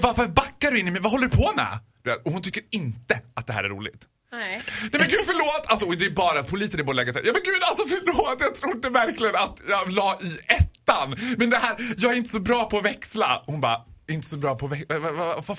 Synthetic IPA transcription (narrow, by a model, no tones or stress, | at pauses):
vaɾfəɾbakːaɖɵɪnːɪmɛvaɦɔlːəɾɵpʰɔnɛ̰ːd̪̥ɵḛːt̪ɔhʊnt̪ʰʏkːəɾɪnt̪əat̪̚d̪ɛɦæ̰ɾæ̰ɾṵːlɪ̰ɡt̪ | nɛmɛnɡʉ̟ːd̪fœɭoːt̪ːʰals̬ɔɔd̪ɛbɑːɾat̪̚pʰʊliːsənɛboːd̪lɛːɡasɛj̰jɑːmɛnɡʉːd̪alsɔfœɭoːt̪ːjɑt̪ʰɾuːɖɛvæɾklɪɡənat̪jɑlɑːʔɪɛt̪ːanmɛnd̪ɛɦæːɾjɑːɡæɾɪnt̪ə̥sɔbɾɑːpʰɔːvɛksla̰ɔhʊnbɑɾaɛɾɪnt̪ə̥sɔbɾɑːpʰɔːvɛkavvava